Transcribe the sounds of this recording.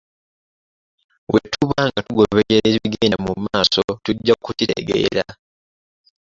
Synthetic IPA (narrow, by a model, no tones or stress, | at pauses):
wetuβaŋɡatuɡoβejeɾeɾβiɡeːndamumaːso̞tuɟːakutitḛɡḛːɾa